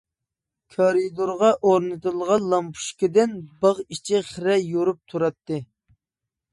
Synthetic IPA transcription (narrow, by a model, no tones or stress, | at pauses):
kʰɑɾid̪oɾʁɑʔoɾnɨt̪ɨlˠʁɑnlˠɑmpʰu̥ʃkʲid̪ɪnbɑʁit͡ʃʰiχɾɛjoɾup̚t̪ʰuɾɑt̪ːɨ